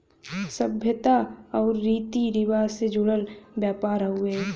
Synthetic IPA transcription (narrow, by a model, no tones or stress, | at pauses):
səbʱjət̪aɔːɾːiːt̪iɾɪʋaːsed͡ʒʊɽəlbjaːpaːɾɦʊeː